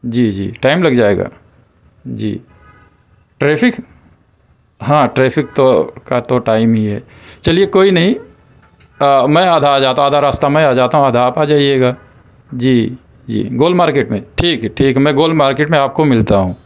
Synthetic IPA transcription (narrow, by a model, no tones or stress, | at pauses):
d͡ʒiːd͡ʒḭːʈaːɪmlɐɡd͡ʒaːeːɡa̰ː | d͡ʒḭː | ʈɾeːpʰɪk | ɦãːʈɾeːpʰɪk̚t̪okat̪oʈaːɪmɦiɦɛ̰ː | t͡ʃɐliekoːinɐɦĩ | mɛ̃aːd̪ʱad͡ʒaːt̪ãaːd̪ʱaɾaːst̪amɛ̃aːd͡ʒaːt̪aɦũaːd̪ʱapad͡ʒaːieːɡaː | d͡ʒiː | d͡ʒḭːɡoːlmaːɾkeːʈmẽʈʰiːkɦɛʈʰiːkɦɛmɛ̃ɡoːlmaːɾkeːʈmẽaːp̚komɪlt̪aɦũː